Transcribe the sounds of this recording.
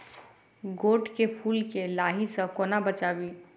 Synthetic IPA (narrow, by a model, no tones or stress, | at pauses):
ɡoːʈkepʰuːlkelaːɦisə̃koːnabət͡ʃaːbiː